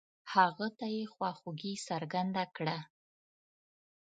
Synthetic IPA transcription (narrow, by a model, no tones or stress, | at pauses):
haɣat̪ajexwɑxuɡisaɾɡand̪akɽa